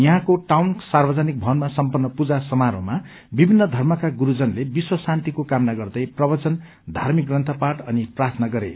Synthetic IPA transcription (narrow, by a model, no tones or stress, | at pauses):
jʌɦãkoʈawnsarbʌd͡zanik̚bʱʌnmasʌmpʌnːʌpud͡zasʌmaɾo̰ma | bibʱinːʌd̪ʱʌrmʌkaɡuɾud͡zʌnlebiswʌsant̪ikokamnaɡʌrd̪ʌjprʌbʌt͡sʌn | d̪ʱarmik̚ɡrʌnt̪ʰʌpaʈʌniprat̪ʰnʌɡʌɾḛ